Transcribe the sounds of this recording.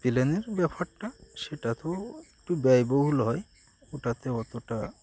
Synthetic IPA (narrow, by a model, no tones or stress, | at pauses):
t̪ileneɾbɛpʰaɾʈaʃeʈat̪oek̚ʈubɛjboɦulɦɔe | oʈat̪eɔt̪oʈa